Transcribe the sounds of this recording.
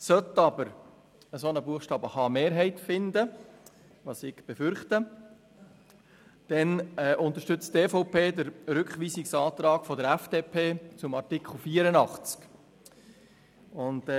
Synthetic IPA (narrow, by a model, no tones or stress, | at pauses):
sœt̪ːɑbəɾ | əsonəbuəχʃtɑːbəhɑːmeːɾɦɛɪtfɪnd̪ə | ʋɑːsɪɡ̥b̥efʏɾχt̪ə | d̥ɛnɛʔʊnt̪əɾʃtʏt͡steːfɔʊpʰeːd̪əɾɾʏkχʋiːsiksɑːt̪ɾɑːɡ̥fɔd̪əɾæfd̥eːpʰeːt͡sʊmɑɾrtikχl̩fiːəɾənɑχt͡sk | ʊnd